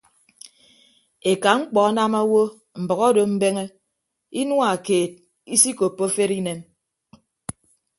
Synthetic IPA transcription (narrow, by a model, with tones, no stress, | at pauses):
e˨ka˨ŋ͡m̩˦k͡pɔ˨˦na˦ma˦wo˦ | m̩˨bɔ˨ɣɔ˦do˨m̩˦be˦ŋe˦ | i˦nwa˦˨keː˨t̚ | i˦si˦ko˨pːo˦fe˦ɾi˦ne˦m